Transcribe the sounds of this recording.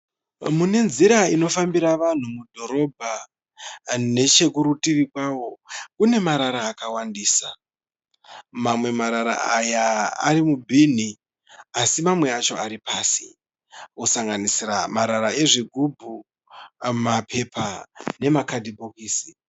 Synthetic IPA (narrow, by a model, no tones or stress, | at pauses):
mune̞nziɾaino̞fambiɾaʋan̤umudʱo̞ɾo̞bʱa | ne̞t͡ʃe̞kuɾutirikwawo̞kune̞maɾaɾaːkawandiːsa | mamwe̞maɾaɾa̰ajaa̰ɾimubʱin̤i | asimamwe̞at͡ʃo̞aɾipaːsi̥ | osaŋɡanisiramaɾaɾae̞ʐiɡʱubʱu | mapʰe̞pʰane̞makadibʱokiːsi